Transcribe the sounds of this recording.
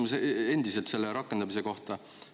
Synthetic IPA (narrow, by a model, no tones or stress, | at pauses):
muse̞nd̪̥ise̞lt̪se̞lːeɾɑkːˑe̞nd̪̥ɑmise̞ko̞ht̪ɑ